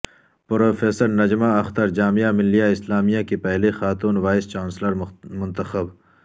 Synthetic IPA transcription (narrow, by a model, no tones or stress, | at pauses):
pɾoːfeːsəɾnɐd͡ʒmaɐxt̪əɾd͡ʒaːmijamɪlːijaɪslaːmijakepɛɦlexaːt̪uːnwaːɪst͡ʃaːnsləɾmʊ̃nt̪əxəb